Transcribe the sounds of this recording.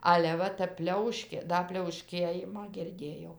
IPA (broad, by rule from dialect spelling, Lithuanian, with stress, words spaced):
ˈɑːlʲɛ ˈʋɐ tʲæp ˈpʲlʲɛʊʃʲkʲeː ˈdɐ pʲlʲɛʊˈʃʲkʲeːjɪmɑː ɡʲɪrʲˈdʲeːjɛʊ